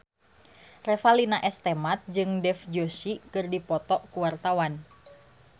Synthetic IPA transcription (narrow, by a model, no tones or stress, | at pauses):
rɛfalinaʔɛst̪ɛmat̪̚d͡ʒɨŋdɛfd͡ʒosikɨrdipɔt̪ɔʔkuwart̪awan